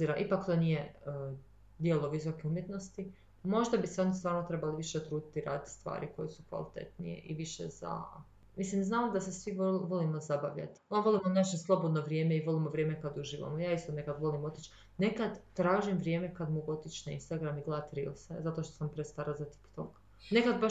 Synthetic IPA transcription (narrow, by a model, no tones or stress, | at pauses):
iɾaʔipakt̪onije | d̪jelˠoʋisokeumjet̪no̞st̪i | mo̞ʒd̪abiseo̞nist̪ʋaːɾnot̪ɾe̞baliʋiʃet̪ɾuːd̪it̪iɾa̰ːd̪it̪st̪ʋa̰ːɾiko̞jesukʋa̰lit̪e̞̰t̪nḭjḛʔiʋiʃḛz̥a̰ | mislimznaːmod̪ase̞sʋiʋo̞limozabaʋʎa̰t̪onʋo̞lˠimonat͡ʃinslˠo̞bod̪noʋɾje̞ːmeiʋo̞limoʋɾje̞ːmekad̪uʒiːʋa̰mojaːist̪onekad̪ʋo̞limo̞t̪it͡ʃ | ne̞kad̪ːɾaːʒimʋɾʲjeːme̞kad̪moɡo̞t̪it͡ʃnaḭnst̪aɡɾamiɡlaːt̪ɾḭlsezat̪o̞ʃt̪osampɾest̪aːɾazat̪i̥pt̪ok | ne̞kad̪̚ba